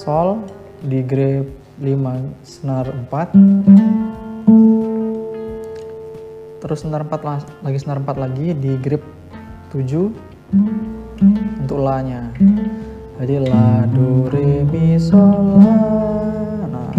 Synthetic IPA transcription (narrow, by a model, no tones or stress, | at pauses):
sɔl | diɡɾɪp̚ | limasənərəmpat̪̚ | t̪əɾʊsənəɾəmpat̪lalaɡisənəɾəmpat̪̚laɡidiɡɾɪp̚ | t̪ud͡ʒu | unt̪ʊklaɲa | d͡ʒadiladuɾebisɔla | na̰